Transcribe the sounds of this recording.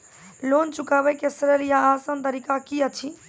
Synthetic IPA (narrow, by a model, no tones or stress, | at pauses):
lont͡ʃukabəkesɾəɾjaːsənt̪əɾikakiət͡ʃʰi